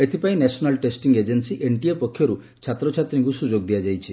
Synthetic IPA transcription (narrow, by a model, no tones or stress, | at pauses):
et̪ʰipaĩnesɔnalʈesʈiŋɡed͡ʒensiʔeɳʈiepɔkʰːjɔɾu | t͡ʃʰat̪ɾɔt͡ʃʰat̪ɾiŋkusud͡ʒoɡd̪ijad͡ʒajt͡ʃʰi